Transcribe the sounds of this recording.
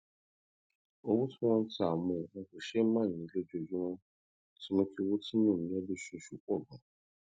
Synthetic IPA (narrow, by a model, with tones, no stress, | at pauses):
o˧wu˦tũ˦w̃ɔ̃˦n̩˦ti˦a˨mũ˨ɔ˧ko˨ʃe˦mãː˦˨nĩ˨˧˨lo˦d͡ʒo˧d͡ʒũ˦w̃ɔ̃˦ | ti˦mõ˧fi˧wo˦ti˦mũ˦˨ĩ˨˦ɔ˦be˦ʃo˧ʃu˦k͡pɔ˦˨ɡɔ̃˨